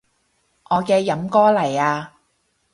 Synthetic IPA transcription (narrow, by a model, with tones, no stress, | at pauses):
ʔɔː˨˧kɛː˧jɐ˨˥mkɔː˥lɐ˨˩jaː˧